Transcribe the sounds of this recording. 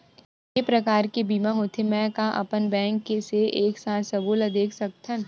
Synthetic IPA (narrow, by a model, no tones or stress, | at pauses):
epɾɐkaːɾkebiːmaɦoːt̪ʰemɛ̃kaʔɐ̰pənbɛ̃ːŋkːeseʔeːksaːt̪ʰsɐbuːlɐd̪eːkʰsɐk̚t̪ʰə̃n